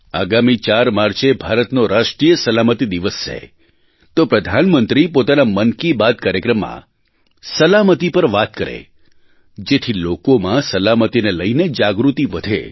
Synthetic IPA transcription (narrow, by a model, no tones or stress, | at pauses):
a̰ɡamit͡ʃaɾmaɾt͡ʃebʱaɾət̪noɾaʃʈɾijəsəlamət̪id̪iʋəst͡ʃʰḛ | t̪opɾəd̪ʱanmənt̪ɾipot̪anamənkibad̪̚kaɾjəkɾəmːã̰ | səlamət̪ipəɾʋat̪̚kəɾḛ | d͡ʒet̪ʰilokomãsəlamət̪ineləined͡ʒaɡɾut̪iʋəd̪ʱḛ